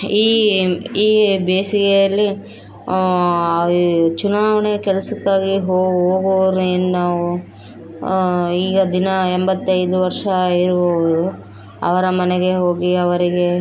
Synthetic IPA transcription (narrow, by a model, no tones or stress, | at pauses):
iːiːbeːsiɡejɐlːi | t͡ʃunaːʋɐɳekɛlɐsɐkːaːɡiɦoːɦoːɡɐʋɐɾuennaːʋu | iːɡɐd̪inɐembɐt̪ːɐjd̪uʋɐɾʂɐiɾuboʋɐɾu | ɐ̰ʋɐɾɐmɐnɛɡe̞ɦo̞ːɡiɐʋɐɾiɡe̞